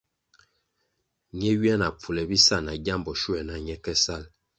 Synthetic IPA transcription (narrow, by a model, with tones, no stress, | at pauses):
ɲɛ˦ɥi˦ɛ˦na˨p͡fu˨lɛ˨bi˦sa˦˨na˨ɟa˦mbɔ˨ʃu˦ɛ˨na˨ɲɛ˦kɛ˦sa˦˨l